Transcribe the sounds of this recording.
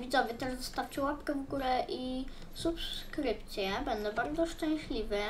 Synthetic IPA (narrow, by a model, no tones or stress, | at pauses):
vʲid̪ɔvʲɘt̪ɛʐzɔst̪aft͡ɕɛwapkɛvɡuɾɛʔi | supskɾɘpt̪sʲjɛbɛnd̪ɔ̃baɾd̪zɔʂt͡ʂɛ̃w̃ɕlʲivɛ